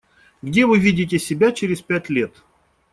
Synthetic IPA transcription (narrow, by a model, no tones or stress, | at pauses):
ɡdʲe̞vɨvʲidʲɪt̬ʲɪsʲɪbʲat͡ɕɪɾʲɪspʲætʲlʲet̪